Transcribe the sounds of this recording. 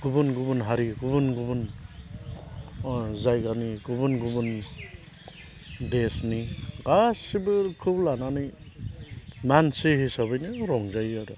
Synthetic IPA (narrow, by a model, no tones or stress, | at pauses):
ɡ̥ubunɡubunɦaɾiɡubunɡubun | zajɡaniɡubunɡubun | desniɡasibɯɾkʰublananɯj | mansiɦisaβɯjnɯɾɔŋzajaɾɔ